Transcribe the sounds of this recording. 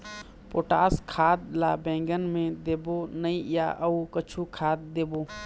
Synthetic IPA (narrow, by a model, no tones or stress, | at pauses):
poːʈaːskʰaːd̪̚laːbẽːŋɡənmẽd̪eːbonəĩja̰ːʔəukət͡ʃʰukʰaːd̪̚ːeːboː